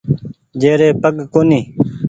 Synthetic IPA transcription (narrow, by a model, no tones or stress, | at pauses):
d͡ʒeːɾeːpəɡkoːniː